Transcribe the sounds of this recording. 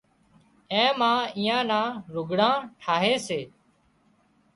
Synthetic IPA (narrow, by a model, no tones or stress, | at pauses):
ẽːmãːiːjãːnãːɾʊɡʱɽãːʈʰaːɦeːseː